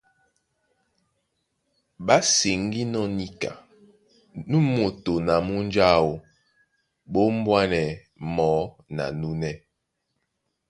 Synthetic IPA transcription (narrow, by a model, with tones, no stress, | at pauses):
ɓa˦se˨ŋ˦ɡi˦nɔ˦ni˦ka̰˨ | nu˦mo˨to˨na˨mu˦n˦d͡ʒa˦wo˨ | ɓo˦m̩˦bwa˦nɛ˨ | mɔ˨˦ | na̰˨nu˦nɛ˦